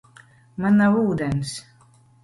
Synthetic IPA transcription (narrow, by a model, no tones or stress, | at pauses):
manːawuːd̪ɛns